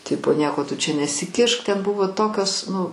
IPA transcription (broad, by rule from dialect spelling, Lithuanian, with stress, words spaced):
ˈtʲɪpoː ˈnʲiɛkoː tʊ t͡ʃʲɛ nʲɛsʲɪˈkʲɪʃk ˈtʲɛn ˈbʊʋoː ˈtoːkʲoːs nʊ